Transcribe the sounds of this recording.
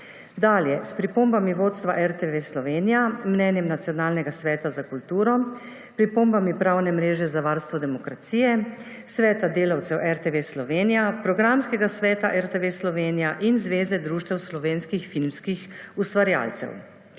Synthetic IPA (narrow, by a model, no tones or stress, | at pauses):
d̪aːljɛspɾipombamiʋoːt̪st̪ʋaʔɛɾt̪eʋeslɔʋeːnijamnɛːnjɛmnat̪sijɔnaːlnɛɡasʋɛːt̪azakult̪uːɾɔ | pɾipoːmbamipɾawnɛmɾeːʒɛzaʋaːɾst̪ʋɔd̪ɛmɔkɾat̪siːjɛ | sʋɛːt̪ad̪eːlawt̪sɛwʔɛɾt̪eʋeslɔʋeːnijapɾɔɡɾamskɛɡasʋɛːt̪aʔɛɾt̪eʋeslɔʋeːnijaʔinzʋeːzɛd̪ɾuːʃt̪ɛwslɔʋeːnskixfilmskixust̪ʋaɾja̰ːlt̪sɛ̰w